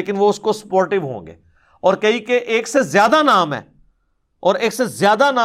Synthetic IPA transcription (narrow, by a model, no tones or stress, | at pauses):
kɪnʋoʊskosə̥poːɾʈɪʋɦõ̰ːŋɡḛː | ɔːɾkɐɦikeʔeːksezjaːd̪anaːmɦɛ̰ː | ɔːɾeːksezjaːd̪anãː